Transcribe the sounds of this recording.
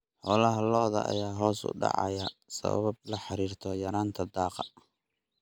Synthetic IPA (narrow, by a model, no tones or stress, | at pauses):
ħɔːlɐɦɐlɔːðɐ̰ʔɐ̰jaːɦɔːsʊ̰ɖɑ̰ʕɑ̰jɐsɐ̰βɐ̰βɐb̚lɐħɑɾiːrt̪ʰɔjɐɾaːnt̪ʰɐd̪ɑːqɑ